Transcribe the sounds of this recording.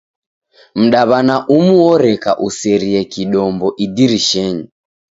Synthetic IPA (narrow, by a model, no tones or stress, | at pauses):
m̩ɗaβanaʔumuɔɾɛkaʔusɛɾiɛkiɗɔmbɔʔidiɾiʃɛɲi